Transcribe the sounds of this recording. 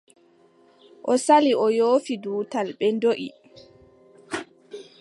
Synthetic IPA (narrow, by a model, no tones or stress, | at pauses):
ʔɔsaliɔjoːfiduːtalɓɛndoʔḭ